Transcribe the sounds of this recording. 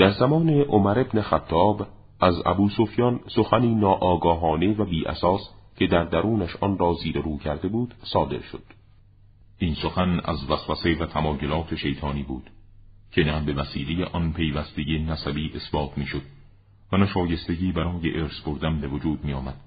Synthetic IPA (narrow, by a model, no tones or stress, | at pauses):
d̪̥æɾzæmɒːne̞ʔomæɾe̞bnexæt̪ʰːɒːb | ʔæzæ̰buːsofjɒːnsoxæniːnɒːʔɒːɡɒːɦɒːne̞væbiːʔæ̰sɒːscʰe̞d̪æɾd̪æɾuːnæʃʔɒnrɒːziːɾeɾuːcʰæɾd̪e̞buːd̪̥sɒːd̪e̞ɾʃod̪̥ | ʔinsoxænæ̰zvæsvæse̞væt̪ʰæmɒːjolɒːt̪ʰeʃe̞jt̪ʰɒːniːbuːd̪̥ | cʰenæbe̞væsḭːlejeʔɒnpʰe̞jvæst̪eɟenæsæbiːʔesbɒːt̪ʰmiːʃod̪̥̚ | vænæʃɒːje̞st̪e̞ɟiːbæɾɒːjeʔeːɾsboɾd̪æmbe̞vod͡ʒuːd̪miːjɒːmæd̪̥